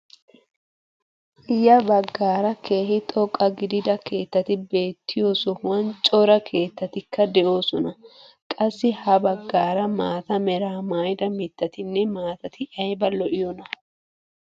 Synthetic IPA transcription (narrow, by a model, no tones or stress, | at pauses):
ɪjɐbɐɡːaːɾɐkʰe̞ːɦɪt̪ʼɔkʼːɐɡɪd̪ɪd̪ɐke̞ːt̪ːɐt̪ɪbe̞ːt̪ːɪjo̞ːsɔhʊwɐnt͡ʃʼɔɾɐkʰe̞ːt̪ːɐt̪ɪkːɐd̪ɛʔo̞ːsɔnɐ | kʼɐsːɪhɐbɐɡːaːɾɐmaːt̪ɐmɛɾaːmaːjd̪ɐmɪt̪ːɐt̪ɪnːɛmaːt̪ɐt̪ɪʔɐjbɐlɔʔɪjɔnɐ